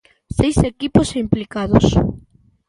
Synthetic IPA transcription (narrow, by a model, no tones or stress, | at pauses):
sejsekiposimplikaðʊs